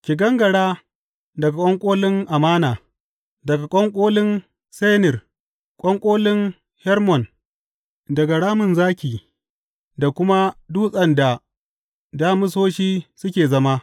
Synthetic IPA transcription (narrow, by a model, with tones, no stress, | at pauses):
kʲɪ˨ɡɐ˦ŋɡɐ˨ɽaː˦ | dɐ˨ɡa˨kʷʼɔ˦ŋkʷʼoː˦lɪ˦ŋʔa˨maː˦naː˨ | dɐ˨ɡa˨kʷʼɔ˦ŋkʷʼoː˦lɪ˦n | se˦nɪ˨r | kʷʼɔ˦ŋkʷʼoː˦lɪ˦n | hɛ˦rmɔ˨n | dɐ˨ɡa˨ɽaː˦mɪ˨nzaː˦kʲiː˨ | da˨kʷʊ˦ma˦duː˦sʼɐ˨nda˨ | daː˦mɪ˦s̬oː˦ʃiː˦sʊ˦kʲeː˨zɐ˦ma˦